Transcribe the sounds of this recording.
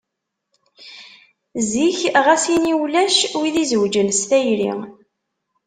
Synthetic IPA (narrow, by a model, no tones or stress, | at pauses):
ziçʁæsiniwlæʃwiðizwd͡ʒənst̪æjɾḭ